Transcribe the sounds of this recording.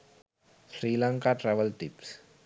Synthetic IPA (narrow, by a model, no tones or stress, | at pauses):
sɾiːlãŋkaʈɾɛʋəlʈips